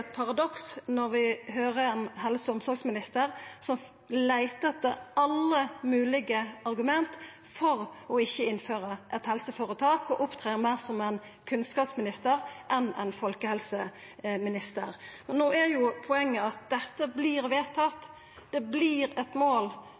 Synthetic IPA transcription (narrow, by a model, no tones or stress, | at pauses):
t̪̚pʰɑʁɑd̪ɔksnɔɾʋɪɦøːʁəɛnɦɛlsəʊmsɔɾɡsmɪnɪst̪əɾsɔm | læɪt̪ət̪ːəɑlːəmʉːlɪɡəɑɾɡʉmɛnt̪ | fɔʁɔɪçːəɪnføːɾəʔɛt̪hɛlsəfoːɾət̪ʰɑːkɔʔʊpt̪ʰʁeːʁmæɪʁsɔmɛn | kʰʉnskɑːpsmɪnɪst̪əɾʔɛnæ̰ɪnfɔlkəhɛlsəmɪnɪst̪ə̰ɾmɛnːoːæɾjʊpʰɔɛŋːəɑt̪̚d̪ɛt̪ːəbliːʁʋeːt̪ʰɑt̪ː | d̪̥ɛbliːɾɛt̪moːl